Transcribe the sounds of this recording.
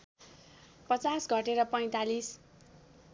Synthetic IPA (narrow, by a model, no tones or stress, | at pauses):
pʌt͡sasɡʱʌʈeɾʌpʌj̃t̪alis